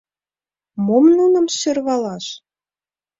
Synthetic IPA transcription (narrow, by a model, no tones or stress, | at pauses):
momnunə̆mʃørβɑlɑʃ